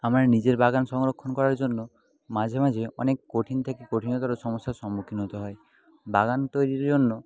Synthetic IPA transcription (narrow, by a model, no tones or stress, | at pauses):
amaɾenid͡ʒeɾbaɡansɔŋɾokʰːɔnɔkɔɾaɾd͡ʒonːɔ | mad͡ʒʱamad͡ʒeɔ̰nekkoʈʰint̪ʰakikoʈʰinɔt̪aɾosɔmɔst̪ʰasɔmukʰinɦɔt̪ɔɦɔe | baɡanɔt̪ɔjɾiɾd͡ʒonːɔ